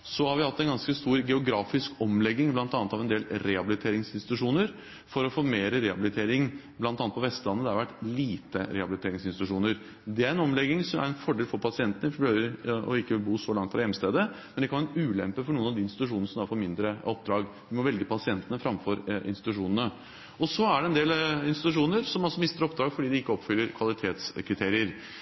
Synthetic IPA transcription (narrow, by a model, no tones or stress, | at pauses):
sɔhɑɾʋɪhɑt̪ːɛnɡɑnskəst̪uːɾɡɛʊɡɾɑːfɪskɔmlɛɡːɪŋblɑnt̪ɑnət̪ɑʋɛnd̪eːlɾɛhɑbɪlɪt̪ʰeːɾɪŋsɪnst̪ɪt̪ʉʂuːnəɾ | fɔɾɔfoːmeːɾəɾɛhɑbɪlɪt̪ʰeːɾɪŋblɑnt̪ɑːnt̪pʰɔʋɛst̪lɑnːəd̪ɛhɑɾʋæʈːliːt̪əɾɛhɑbɪlɪt̪ʰeːɾɪŋsɪnst̪ɪt̪ʉʂuːnəɾ | d̪ɛæɾɛnɔmlɛɡːɪŋsɔmæ̰ɾɛnfɔɖeːlfɔɾpʰɑsɪɛnt̪ənəøːʋəɾɔ̰ɪkːəʋɪlbuːsɔlɑŋt̪fɾɑjɛmst̪eːd̪əmɛnd̪ɛkɑʋæɾəʉːlɛmpəfɔɳuːənɑʋd̪iːɪnst̪ɪt̪ʉʂuːnnəsɔmd̪ɑɾfɔɾmɪnd̪ɾəɔp̚d̪ɾɑːɡ | ʋɪmɔʋɛlɡəpʰɑsɪɛnt̪ənəfɾɑmfɔɾɪ̰nst̪ɪt̪ʉʂuːnənə | ɔsɔæɖɛɛnd̪eːlɪnst̪ɪt̪ʉʂuːnəɾsɔmɑlsɔmɪst̪əɾɔp̚d̪ɾɑːɡfɔɖiːd̪ɪɪkːəɔpfʏlːəɾkʰʋɑlɪt̪ʰeːt̪skʰɾɪt̪ʰeːɾɪəɾ